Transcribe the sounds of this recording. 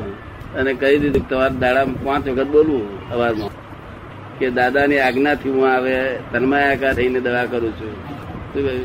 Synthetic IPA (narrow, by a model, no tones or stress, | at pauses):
ənekəid̪id̪ut̪əʋaɾd̪aɽampãt͡ʃʋəkʰət̪̚bolʋũəʋaɾmã | ked̪ad̪aniaɡnat̪ʰiɦũaʋet̪ənmajakaɾəined̪əʋakəɾũt͡ʃʰũʃũkə